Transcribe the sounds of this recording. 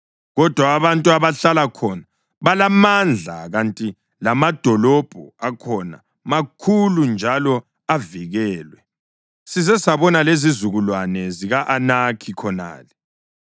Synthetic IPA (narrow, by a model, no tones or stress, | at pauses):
ɣɔd̥ʱwaːβantʼuaβaɬalakʰɔna | βalamand͡ɮʱaɣantʼi | lamad̥ʱɔlɔb̥ʱɔakʰɔna̰ | makʰulund͡ʒʱalɔ | aviɣɛːlwɛ | sizɛsaβɔnalezizuɣulwanɛziɣaʔanakʰikʰɔna̰ːlɛ